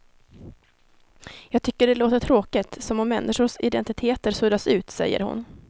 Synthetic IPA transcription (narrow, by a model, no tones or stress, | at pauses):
jɑːɡ̚t̪ʰʏkːəɖɛloːt̪əʈʰɾoːkɪt̪sɔmɔmːɛnːʔɪʂʊʂɪd̪ɛnt̪ɪt̪ʰeːt̪əɾsɵd̪asʉ̟ːt̪sɛ̰jːə̰ɾhʊ̰n